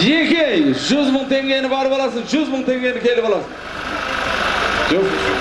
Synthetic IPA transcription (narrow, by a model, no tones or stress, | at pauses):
je̞kʲejʒʏzməɴt̪ʰe̞ŋɡʲe̞nɪbɑɾəpɑlˠɑs̬ənʒʏzməɴt̪ʰe̞ŋɡʲe̞nɪkʲʰe̞lɪpɑlˠɑsən | ʒoq